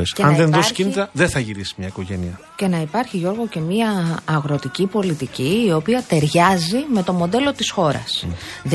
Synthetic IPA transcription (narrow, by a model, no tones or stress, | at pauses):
esɐnðenðoscinit̪ɐðeθɐʝiɾisi̥mɲɐiko̞ʝe̞niɐ | ce̞nɐipɐɾçiʝo̞ɾɣo̞ce̞miɐːɣɾo̞t̪icipo̞lit̪iciːo̞piɐt̪e̞ɾʝɐzime̞t̪o̞mo̞d̪e̞lo̞t̪isxo̞ɾɐ̰sð